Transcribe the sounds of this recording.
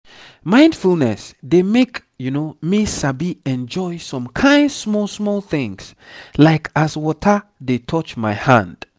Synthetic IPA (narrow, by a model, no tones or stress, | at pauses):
mãɪ̃ndfulˠnɛsdemek | junomisabiɛ̃nd͡ʒɔɪsɔ̃mkʰãɪ̃ndsmɔlsmɔlˠθɪ̃ŋslaɪkʰaswɔtʰədetʰɔt͡ʃmaɪhãnd̥